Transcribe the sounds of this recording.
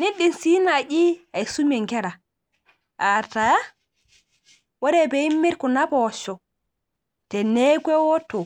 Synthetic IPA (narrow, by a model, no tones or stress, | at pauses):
niɗːinsinaʔiajsumɛŋɡɛɾa | ʔataja | wɔɾɛbɛimːiɾkɔnabɔʃɔ | tɛnɛɡwɛwɔtɔ